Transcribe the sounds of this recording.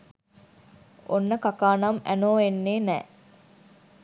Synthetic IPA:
o̰nːəkakaːnɐmæ̰noːenːeːnɛ̰ː

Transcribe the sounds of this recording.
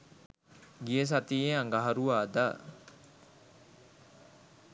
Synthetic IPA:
ɡijes̬at̪ieaŋɡaɦaɾuaːd̪a

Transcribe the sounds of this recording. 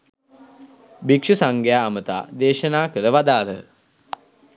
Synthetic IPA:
bikʂusaŋɡjaːmət̪a̰ːd̪eːʃənaːkəɾəʋad̪aːlə̰

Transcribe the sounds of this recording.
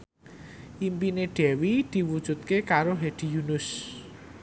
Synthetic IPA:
ʔimpineɖ̥ɛ̤wid̪̥i̤wud̥ʒ̥ṳt̪̚kekaɾoɦed̪̥i̤junʊs

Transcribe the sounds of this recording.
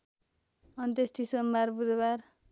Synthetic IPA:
ʌnt̪esʈisʌmːaɾbud̪bar

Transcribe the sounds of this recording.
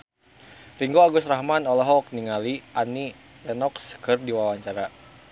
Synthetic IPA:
riŋɡoaɡʊsrahmanɔlaɦɔk̚niŋaliʔani | lɛnɔkskɨrdiwawaɲt͡ʃaɾa

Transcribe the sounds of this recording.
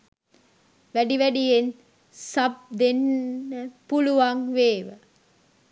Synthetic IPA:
ʋæɖiʋæɖijen | sɐb̚d̪enːəpuluʋɐŋʋeːʋə

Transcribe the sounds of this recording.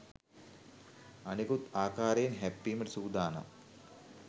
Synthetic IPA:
ɐnikut̪aːkaːɾejnɦɛpːiːmɐʈisuːd̪aːna̰

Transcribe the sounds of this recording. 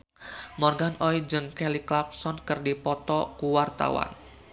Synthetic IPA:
mɔrɡanɔid͡ʒɨŋkɛliklap̚sɔnkɨrdipɔt̪ɔkuwart̪a̰wa̰n

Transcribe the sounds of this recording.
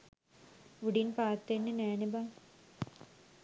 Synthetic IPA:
ʋuɽinpaːt̪ːenːeneːniba

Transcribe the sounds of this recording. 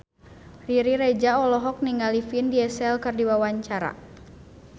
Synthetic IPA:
riɾiɾɛd͡ʒaɔlɔɦɔk̚niŋalifindiɛsɛlkɨrdiwawaɲt͡ʃaɾa̰

